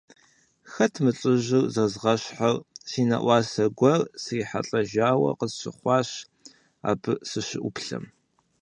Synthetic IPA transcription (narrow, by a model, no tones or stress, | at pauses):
xɐtʰmɨɬʼɪʒɪrzɐzʁɐɕħarsiːnɐ̰ʔʷɑːsɐɡʷɐrsriːħa̰ɬʼɐʒaːwɐ̰qəzɕɪ̰χʷɑːɕ | a̰ːbɨsɨɕɪʔʷʊpɬɐ̰m